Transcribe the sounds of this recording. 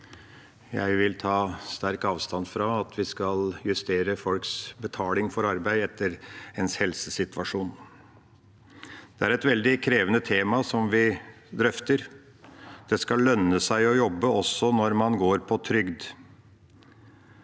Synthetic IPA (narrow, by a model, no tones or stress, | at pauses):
jæ̰ɪʋɪlt̪ʰɑːst̪æɾkɑːʋst̪ɑnfɾɑɑt̪ʰʋɪskɑljʉst̪eːɾəfɔlksbət̪ʰɑːlɪŋfɔɾɑɾbæɪɛt̪ʰːəɾɛnshɛlsəsɪt̪ʋɑʂuːn | d̪̥ɛæɾɛt̪ʋɛld̪ɪkʰɾeːʋənət̪ʰeːmɑsɔmʋɪ | d̪ɾœft̪əɾ | d̪̥ɛskɑllːœnːəsæɪɔjɔbːəɔsɔnɔɾmɑnɡoːɾpʰɔt̪ʰɾʏɡd̪